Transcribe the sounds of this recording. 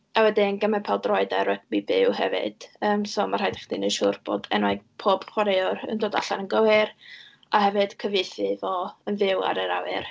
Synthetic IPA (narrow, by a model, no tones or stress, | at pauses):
awɛdɪnɡəmɛpʰɛlˠdrɔɨdaɾɛtmibɪwhɛ̰vɨ̰d̥əːmsoːmarhajdɛχd̥inəʃʊrb̥o̰dɛ̰nwaɡ̚pʰoːb̥χwaɾeɔə̰ndoːda̰ɬanənɡəwɪr | ahɛvɨd̥kʰəveθɨvoənvɪwa̰ɾəɾawɪ̰r